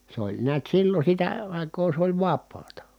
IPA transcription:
se olʲ niæt silːo sitæ ɑˑi̯koː sĕ olʲ ʋɑpˑɑːtɑ

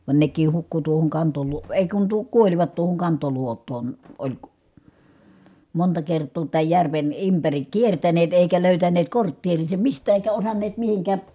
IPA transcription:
ʋɑn nekˑiːh hukːu tuohoŋ kɑntoluo eˑi̯ kun tuo kuolʲʋɑt tuohoŋ kɑntoluotˑoːn olʲ montɑ kertˑoː tæːj jærʋen ympærik kiertæneːt eˑikæ løˑytæneːt kortːeːriːsem mistæː eˑikæ osɑnːeːt mihiŋkæː

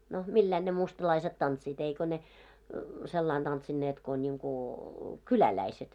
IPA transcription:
no milːæin ne mustɑlɑiset tɑntsiːt eiko ne selːɑin tɑntsinːeːt ko nʲiŋku kylælæiset

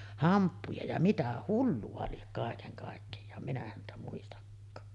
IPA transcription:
hɑmpːujɑ jɑ mitæ hulːuɑ liek kɑˑekeŋ kɑˑekːejɑː minæ hæntæ muistɑkːɑː

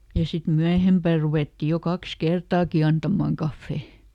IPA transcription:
jɑ sit myæhempæˑ ruʋeˑtːi jo kɑks kertɑːki ɑntɑmɑːŋ kɑfːeˑ

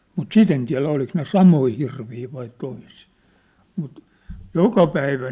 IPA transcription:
mut sit en tiæ̝læ oliks ne sɑmoi hirʋiː ʋɑi toisiː mut jokɑ pæiʋæ

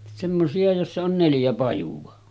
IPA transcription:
semːosiɑ josːɑ on neljæ pɑjuʋɑ

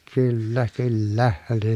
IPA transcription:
kylːæ kylːæ ne

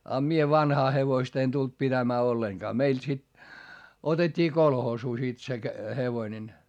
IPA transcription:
ɑ mie ʋɑnhɑː heʋoistɑ en tult pitæmæː olːeŋkɑː meil sit otetʲːiː kolhoːsuː sit se heʋoĭnen

